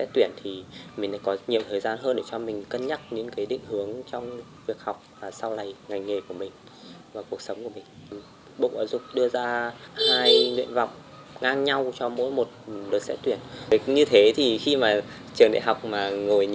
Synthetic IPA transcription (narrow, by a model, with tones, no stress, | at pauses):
sɛ̰˦˥t̪wi˧˩ənt̪ʰi˨˩mï˨˩ŋ̟ɗa̰˧˥kɔ˨˦ɲi˨˩˨əwt̪ʰəː˨˩jzaː˧nɦəː˧nɗe˧˩t͡ɕɔ˧mï˨˩ŋ̟kə˧nɲa˦˥t̚ɲɨ̰˧˥ŋkaː˨˦ɗḭ˧˨ŋ̟hɨ˨˦əŋt͡ɕɔ˧wŋ͡m | vi˨˩ək̚ha˨˩wk͡p̚vaː˨˩sa˧wla˨˩jŋa˨˩jŋ̟ŋe˨˩ku˧˩əmï˨˩ŋ̟ | vaː˨˩ku˨˩ək̚sə˨˦wŋ͡mku˧˩əmï˨˩ŋ̟ | ɓo̰˧˨kaː˨˦wzʊ˨˩k͡p̚ɗɨ˧əzaː˧haː˧jŋwḭ˧˨ənva˨˩wk͡p̚ | ŋaː˧ŋɲa˧wt͡ɕɔ˧mo̰˧˥jmo˨˩t̚ɗɨ˨˩t̚sɛ̰˦˥t̪wi˧˩ən˦ɲɨ˧t̪ʰe˨˦t̪ʰi˨˩xi˧maː˨˩ | t͡ɕɨ˨˩əŋɗa̰˧˨ɦa˨˩wk͡p̚maː˨˩ŋo˨˩jɲ